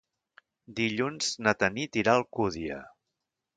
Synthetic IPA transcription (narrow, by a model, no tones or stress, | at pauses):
d̪iʎunz̥nət̪ənit̪iɾalˠkuðiə̰